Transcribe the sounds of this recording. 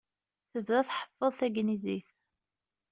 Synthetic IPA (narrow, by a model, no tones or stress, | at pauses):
θəvðæθħə̥fːəðˤθæɡniziθ